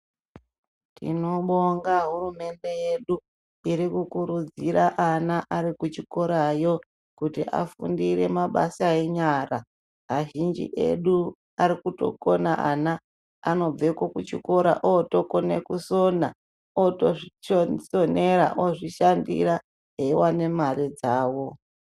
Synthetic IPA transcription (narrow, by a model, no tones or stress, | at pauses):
tʰḭno̞ɓoŋɡaɦurume̞nde̞jeɗu | iɾikukuɾud͡ziɾaʔanaʔaɾikut͡ʃiko̞ɾajo̞ | kutiʔa̰fṵndiɾe̞maɓa̰sae̞ɲaːra | ɦaʒind͡ʒḭʔe̞̰ɗu | aɾikuto̞̰konaʔana | ano̞b͡vekokut͡ʃḭko̞ɾa̰ʔoto̞konekusona | otoʐit͡ʃosoneɾa̰ʔoʐiʃandḭɾa | ɦeiwane̞marid͡zaːwo̞